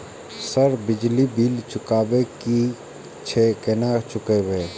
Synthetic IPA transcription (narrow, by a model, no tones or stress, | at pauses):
səɾbɪd͡ʒlibiːlt͡ʃʊkaːbeki | t͡ʃʰekenat͡ʃʊkebeː